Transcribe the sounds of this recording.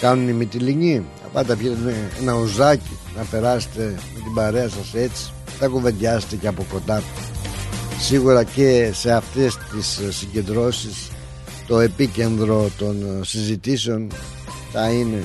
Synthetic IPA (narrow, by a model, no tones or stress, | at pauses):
kɐnunimit̪iliɲi | ɐ̰pɐt̪ɐpçit̪eneenɐuzɐci | nɐpe̞ɾɐset̪e̞me̞t̪ibɐɾe̞ɐsɐse̞t͡si̥ | t̪ɐkuve̞nd̪ɐset̪eceɐpo̞ko̞nd̪ɐ | siɣuɾɐce̞se̞ɐft̪e̞st̪issːiɲɟe̞nd̪ɾo̞sis | t̪o̞e̞pice̞nðɾo̞t̪o̞nsizit̪iseo̞n | θɐine̞